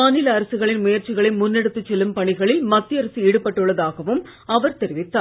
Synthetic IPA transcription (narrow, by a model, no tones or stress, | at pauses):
aːnɪlɐːɾɐsɯɣɐɭɪnmʊjɐɾt͡ʃɪɣɐɭɪnmʊnːɛɽɯt̪ːɯt͡ʃːɛlːɯmpɐɳɪɣɐɭɪlmɐt̪ːɪɐɾɐsieːɽɯpːɐʈːɯɭːɐðaːɣɐʋɯm | ɐʋɐɾt̪ɛɾɪʋɪt̪ːaː